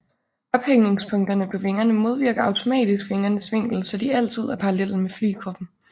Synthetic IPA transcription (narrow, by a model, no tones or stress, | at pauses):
ɒ̽b̥heŋne̝ŋspʰɔ̽ŋd̥ɐnəpʰɒ̽fe̝ŋɐnəmo̝ð̞ˠʋiɐɡ̥ɐɑ̈ʊt͡sʰo̝mɛ̰ːd̥isɡ̥fe̝ŋɐnəsʋe̝ŋ̰ɡ̥l̩sɒ̽d̥iæl̰t͡sʰið̞̰ˠæɐpʰɑ̈ɑlel̰n̩mefly̰ːkʰʁɒ̽b̥n̩